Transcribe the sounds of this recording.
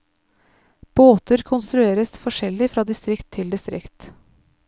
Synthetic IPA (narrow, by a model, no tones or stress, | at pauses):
b̥oːt̪əɾkʰʊnst̪ɾʉeːɾəsfɔʂɛlːɪfɾɑːd̪ɪst̪ɾɪkt̪ʰːɪld̪ɪst̪ɾɪ̰kt̪